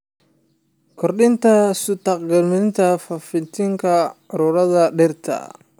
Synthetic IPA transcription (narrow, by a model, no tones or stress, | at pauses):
kʰɔrɗɪnt̪ʰɐsʊt̪ɑqɡɐlmɪɪnt̪ʰɐfɐfɪt̪ʰɪŋkʰɐʕʊɾʊɾɐðɐɖɪrt̪ʰɐ̰